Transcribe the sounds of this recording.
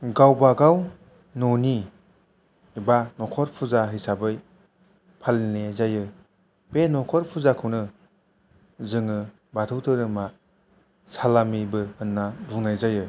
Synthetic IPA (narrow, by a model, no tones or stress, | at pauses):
ɡawbaɡaw | noni | ibanɔkʰɔɾpʰuzaɦijsabɯj | pʰalnezajɯ | benɔkʰɔɾpʰuzakʰɯwnɯ | zɯŋɯ | batʰɯwtʰɯɾɯma | salamibɯhɯnːabuŋnajzajɯ